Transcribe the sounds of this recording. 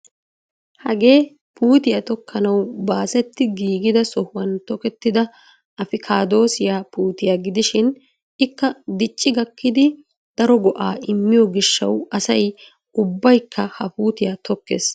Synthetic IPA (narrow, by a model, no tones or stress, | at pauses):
hɐɡe̞ː | puːt̪ɪjɐt̪ɔkʰːɐnɐwbaːsɛt̪ːɪɡiːɡɪd̪ɐsɔhʊwɐnt̪ɔkɛt̪ːɪd̪ɐ | ɐfɪkʰaːd̪o̞ːsɪjaːpuːt̪ɪjaːɡɪd̪ɪʃɪn | ɪkːɐd̪ɪt͡ʃʼːɪɡɐkːɪd̪ɪ | d̪̥ɐɾɔɡɔʔaːʔɪmːɪjɔɡɪʃːɐ̰wɐsɐj | ʊbːɐjkʰːɐhɐpuːt̪ɪjaːt̪ɔkːḛːs